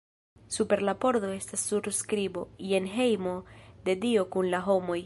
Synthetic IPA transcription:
supe̞ɾlapo̞ɾdo̞e̞stasːuɾskɾibo̞̰ije̞nɦe̞jmo̞d̪e̞dio̞kunlaɦo̞mo̞j

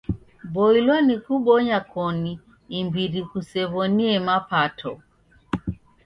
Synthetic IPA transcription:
bɔilwanikuɓɔɲakɔniː | mbiɾikusɛβɔniɛmapatʰɔ

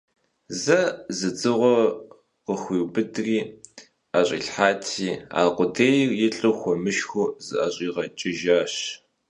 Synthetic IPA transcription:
zɐzɨt͡sʼɨʁʷɔ | qəxʷiːwbɨdriː | aɕʼḭːɬħaːtʰiːa̰ːqʷʊdeːjrjɪɬʼɨxʷɔmɨʃxʷʊzɨʔɐɕʼiːʁɐt͡ʃʼɪʒaːɕ

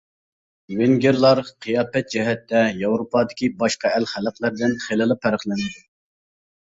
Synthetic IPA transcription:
weŋɡʲeɾlˠɑɾqʰəjɑːpɛt̪̚d͡ʒɛɦɛt̪ːɛjɑwɾopɑːd̪ɪkʲʰibɑʃqɑælχæləqlˠæɾd̪ɪnχelɨlˠɨpʰːæɾəχlˠɪnɪd̪u

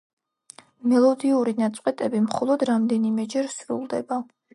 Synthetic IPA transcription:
mɛlˠɔd̪iuɾinat̪sʼqʼɛt̪ʼɛbimχɔlˠɔd̪ɾamd̪ɛnimɛd͡ʒɛɾsɾṵlˠd̪ɛba

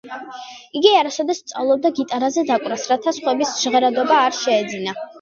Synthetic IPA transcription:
iɡiaɾasɔd̪ɛst̪sʼavlˠɔb̚d̪aɡit̪ʼaɾazɛd̪akʼɾasɾat̪ʰasχwɛbisʒʁɛɾad̪ɔbaːɾʃɛːd̪zina

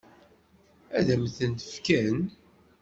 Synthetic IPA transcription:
æðæmθənt̪ə̥fkæn

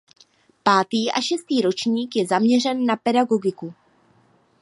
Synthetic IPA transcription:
paːt̪iːʔaʃɛst̪iːɾo̞t͡ʃɲiːkjɛzamɲɛr̝ɛnːapɛdaɡo̞ɡɪku

